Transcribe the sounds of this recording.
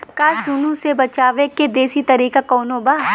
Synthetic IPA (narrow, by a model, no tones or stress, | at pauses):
kasunũsebɐt͡ʃaːʋeked̪eːsit̪ɐɾiːkakɔːnobaː